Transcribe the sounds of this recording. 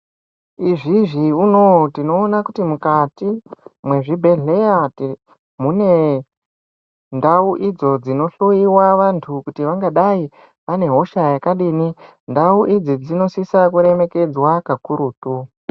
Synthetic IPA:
iʐiʐiuno̞tino̞ːnakutimukatimwe̞ʐibʱe̞ɮe̞jat | mune̞ | ndauʔid͡zo̞d͡zino̞ɬuiwaʋantʰukutiʋaŋɡaɗai | ʋane̞ɦo̞ʃajakaɗiːni | ndauʔid͡zid͡zino̞sisakuɾe̞me̞ke̞d͡zwakakuɾuːtu

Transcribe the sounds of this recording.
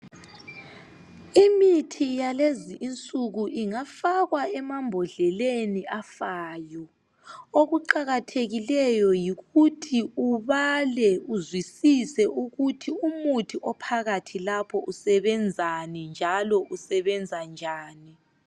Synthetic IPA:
imitʰijaleziʔint͡sʼuɣuʔiŋafaɣwaɛmambʱɔɮɛleniafaːjɔ | oɣuǃaɣatʰeɣilɛjɔjiɣutʰiuβalɛuzwisisɛʔuɣutʰiumutʰiʔɔpʰaɣatʰilapʰɔʔusɛβɛnd͡zʱanind͡ʒʱalɔʔusɛβɛnd͡zʱand͡ʒʱaːni

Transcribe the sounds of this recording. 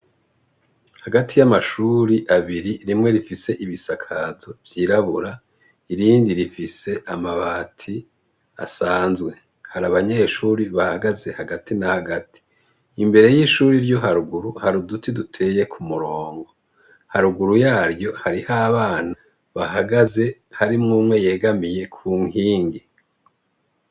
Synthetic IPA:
haɡatʰijamaʃuɾiʔaβiɾiɾimŋe̞ɾifise̞ʔiβisakʰazo̞vjiːɾaβuɾa | iɾiːndiɾifise̞ʔamaβatʰi | a̰saːnzɡwe̞ | haɾaβaɲe̞ːʃuːɾiβahaɡaze̞haɡatinahaɡati̥ | imbe̞ɾe̞jiʃuːɾiɾjo̞ɦaɾuɡuɾuhaɾudutʰidutʰe̞je̞kʰumuɾo̞ːŋɡo̞ | haɾuɡuɾujaːɾjo̞haɾihaβaːna | βahaɡaze̞haɾimŋuːmŋe̞je̞ːɡamije̞kʰuːŋhiːŋɡi

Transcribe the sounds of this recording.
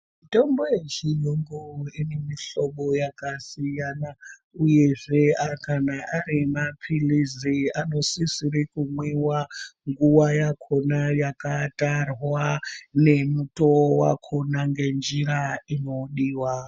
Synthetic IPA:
itombojet͡ʃijoŋɡoinemiɬo̞ɓojakasijana | uje̞ʐe̞akanaʔaɾimapʰiliziano̞sisiɾikumwewaŋɡuwajakʰo̞najakatarwane̞mutowa̰kʰonaŋɡe̞nd͡ʒiɾaino̞ɗiːwa

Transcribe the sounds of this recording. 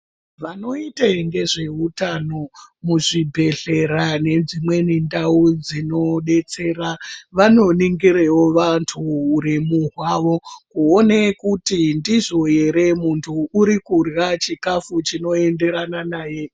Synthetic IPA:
ʋano̞iteŋɡe̞ʐe̞utano̞muʐibʱe̞ɮe̞ɾane̞d͡zimwe̞nindaud͡zino̞ɗe̞t͡se̞ːraʋano̞niŋɡiɾewoʋantʰuːɾimuɦwaʋo̞kuonekutindizo̞je̞ɾe̞muntʰuːɾikurɣat͡ʃikafut͡ʃino̞e̞nde̞ɾananaːje̞

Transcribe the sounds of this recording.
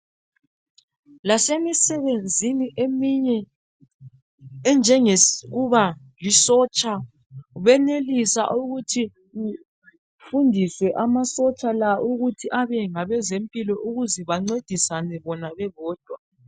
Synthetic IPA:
lasemisɛβend͡zʱiniʔemiɲɛ | nd͡ʒʱɛŋɛɣuβa | lisɔt͡ʃʼa | βɛnelisa̰ʔuɣutʰi | ɣu | fundʱiswɛʔamasɔt͡ʃʼalaʔuɣutʰiʔaβɛŋaβɛzempʼilɔʔuɣuzɛβaŋ͡ǀed̥ʱisanɛβɔnaβɛβɔːd̥ʱwa

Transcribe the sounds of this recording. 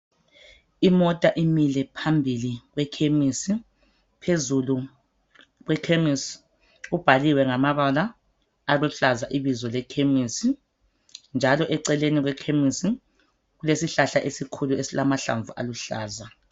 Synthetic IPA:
imɔtʼaʔimilɛpʰambʱiliɣwɛkʰemisi | pʰezulu | ɣwɛkʰemis | ub̥ʱaliwɛŋamaβalaː | ɣwuɬazaʔiβizɔlɛkʰemisi | nd͡ʒʱalɔʔɛǀɛleniɣwɛkʰemisi | ɣulesiɬaɬaʔesikʰuluesilamaɬa̰ɱvuʔa̰luɬa̰ːza

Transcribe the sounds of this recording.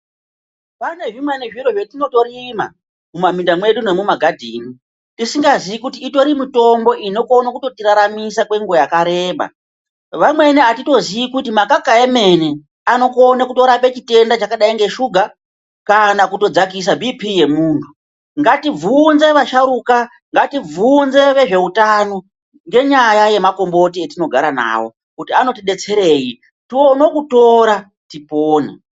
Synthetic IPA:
pane̞ʐimweneʐiɾo̞ʐetino̞to̞ɾima̰ | mumamindamwe̞ɗune̞mumaɡʱadʱḭːni | tisiŋɡaziʋikutiːto̞ɾimito̞mbo̞ʔino̞konakuto̞tiɾaɾamisakwe̞ŋɡo̞jakaɾe̞ːɓa̰ | ʋamwe̞niatito̞ziikutimakakaeme̞ne | ano̞konakuto̞ɾape̞t͡ʃite̞ndat͡ʃakaɗaiŋɡe̞ʃuɡʱa | kanakuto̞d͡zak̬is̬abʱipʰije̞muːntʰu̥ | ŋɡatib͡vunze̞ʋaʃaɾuka | ŋɡativunze̞ʋe̞ʐe̞utano | ŋɡe̞ɲajaje̞mako̞mbo̞tietino̞ɡʱaɾana̰ːwo̞̰ | kutiano̞tiɗe̞t͡se̞ɾe̞ji | tiono̞kuto̞ɾa | tipoːnḛ

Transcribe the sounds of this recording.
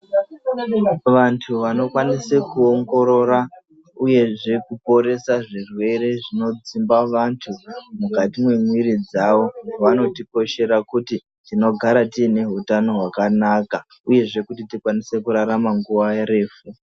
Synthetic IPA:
ʋantʰuʋano̞kwanisekuoŋɡo̞ɾo̞ɾa | uje̞ʐe̞kupo̞ɾe̞saʐirwe̞ɾe̞ʐino̞d͡zimbaʋantʰumukatimwemwiɾid͡zaʋo̞ʋano̞tiko̞ʃe̞ɾakuti | tino̞ɡʱaɾatiːne̞ɦutano̞ɦwakanaka | uje̞ʐe̞kutitikwanise̞kuɾaɾamaŋɡuʋaeɾe̞ːfu

